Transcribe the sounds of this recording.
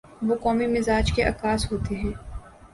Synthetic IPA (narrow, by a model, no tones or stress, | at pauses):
ʋoːkɔːmimɪzaːd͡ʒkeʔɐ̰kaːsɦoːt̪eɦɛ̃ː